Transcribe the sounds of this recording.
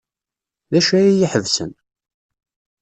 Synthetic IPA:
ðæʃæjijiħəvsə̰n

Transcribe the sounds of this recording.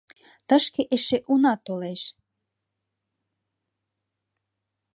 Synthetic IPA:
t̪ə̆ʃkeʔeʃeʔunɑt̪oleʃ

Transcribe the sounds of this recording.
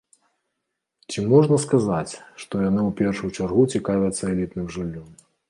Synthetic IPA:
t͡sʲimɔʐnɐskazat͡sʲʂt̪ɔjanɨwpʲɛrʂujut͡ʂarɣut͡sʲikavʲɐt̪sːɐɛlʲit̪nɨmʐɨlʲːɔm

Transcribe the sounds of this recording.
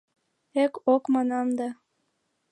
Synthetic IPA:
ekokmɑnɑmd̪ɑ

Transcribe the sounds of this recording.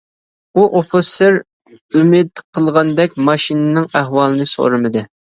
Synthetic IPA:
uʔofɨseɾ | ymɪd̪qʰəlˠʁɑnd̪ɛk̚ʲmɑʃinɨnɨŋæɦwɑlˠɨnɨso̰ɾɨmɨd̪ɨ

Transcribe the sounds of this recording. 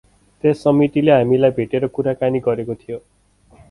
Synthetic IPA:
t̪esːʌmit̪ileɦamilajbʱeʈeɾʌkuɾakaniɡʌɾekot̪ʰijo

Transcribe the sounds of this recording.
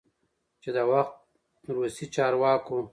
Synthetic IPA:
t͡ʃed̪əwaxt̪̚ | ɾusit͡ʃɑɾwɑːko

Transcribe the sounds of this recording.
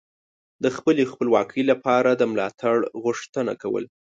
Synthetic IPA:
d̪əxpəlexpəlwɑkʰəjlapɑɾad̪əmlɑt̪ʰaɽɣʊʂt̪əna̰kawə̰l

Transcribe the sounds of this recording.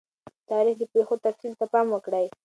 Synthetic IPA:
t̪ɑɾixd̪əpexot̪afsilt̪apɑmwəkɽəj

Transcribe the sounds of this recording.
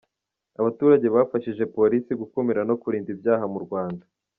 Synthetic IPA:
aβatuːɾaɟe̞βaːfaʃiʒe̞po̞ɾisiɡukumiɾano̞kuɾiːndibjaːhamuɾɡwaːnda

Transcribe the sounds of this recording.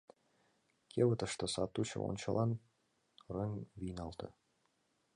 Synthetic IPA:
kʰeβə̆t̪ə̆ʃt̪ɤ̆sɑt̪ːut͡ɕʰə̰o̰nʲt͡ɕəlˠʔɑn | rɤŋvijnɑlˠt̪ʰɤ̰̆

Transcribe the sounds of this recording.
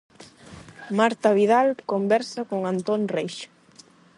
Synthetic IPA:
maɾt̪aβ̞iðalkombɛɾsakoŋant̪onrejʃ

